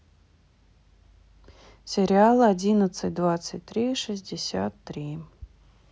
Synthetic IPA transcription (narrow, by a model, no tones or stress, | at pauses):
sʲɛɾʲɪalˠɨɐdʲinət̪sɨt̚ʲd̪vat̪sətʲt̪ːɾɨʂɨzʲdʲɪsʲa̰t̪ːɾi